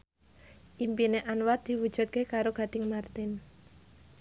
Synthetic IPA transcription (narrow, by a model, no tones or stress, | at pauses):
ʔimpineʔanward̪̥i̤wud̥ʒ̥ṳt̪̚kekaɾoɡ̥a̤d̪̥ɪŋmart̪ɪn